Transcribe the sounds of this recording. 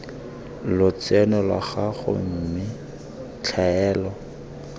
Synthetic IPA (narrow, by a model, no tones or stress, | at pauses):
lʊt͡sɛnɔlwa̰χaɣʊ̰m̩mɪ | t͡ɬʰaɛːlɔ